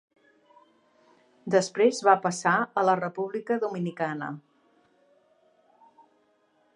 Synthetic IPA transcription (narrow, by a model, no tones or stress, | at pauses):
d̪əspɾezβapəsaələrəpuβ̞likəðuminikanə̰